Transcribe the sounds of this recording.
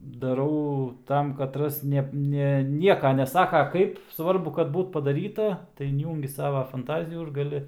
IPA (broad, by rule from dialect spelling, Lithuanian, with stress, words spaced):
dɐˈrɐʊ ˈtɐm kɐˈtrɐs ˈnʲɛp ˈnʲɛ ˈnʲiɛkɐ nʲɛˈsɑːkɐ ˈkɐɪp sʋɐrˈbʊ kɐt ˈbuːt pɐdɐˈrʲiːtɐ tɐɪ ɪnʲˈjuːŋʲɡʲɪ ˈsɑːʋɐ fɐnˈtɑːzʲɪjuː ɪr ɡɐˈlʲɪ